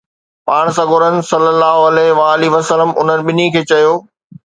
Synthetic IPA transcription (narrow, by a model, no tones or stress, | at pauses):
paːɽ̃sɐɡoɾənɪ̆sɐlːəlːaːɦoɐlɛɦʋaːliʋɐsələmʊ̰n̤ənɪ̆ɓɪnikʰeːt͡ɕɐjoː